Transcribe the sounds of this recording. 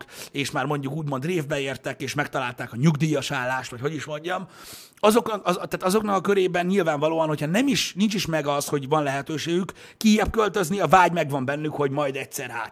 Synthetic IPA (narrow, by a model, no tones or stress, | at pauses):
keːʃmaːrmo̞ɲɟukuːɟmo̞nd̪reːvbɛeːrt̪ɛkeːʃmɛk̚t̪ɒlaːlt̪aːkɒɲuɡd̪iːjɒʃaːlːaːʃt̪ʋɒcho̞ɟiʃmo̞ɲɟɒm | ɒzo̞kɒt̪ːaːt̪ɒzo̞knɒkɒkø̞ɾeːbɛnːɲilvaːɱvɒloːɒnho̞cʰhɒnɛmiʃnint͡ʃiʃmɛɡɒsho̞ɟvɒnlɛɦɛt̪øːʃeːɡykː | ijːɛp̚kø̞lt̪øzniɒvaːɟmɛɡvɒmbɛnːykho̞ɟmɒjd̪ɛcsɛrɦa̰ːt̪